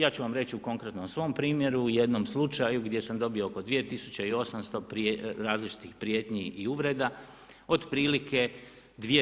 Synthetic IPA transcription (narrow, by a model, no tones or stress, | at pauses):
jaːt͡ɕuʋamɾe̞t͡ɕiuko̞ŋkɾet̪nomsʋo̞mpɾiːmje̞ɾuje̞d̪no̞mslˠut͡ʃajuɡd̪je̞samd̪o̞biooko̞d̪ʋije̞t̪isut͡ɕeio̞samst̪o̞pɾeɾaːzlit͡ʃi̥t̪ixpɾijeːt̪ɲiiuʋɾe̞d̪a | o̞d̪pɾiːlikʰe̞ | d̪ʋie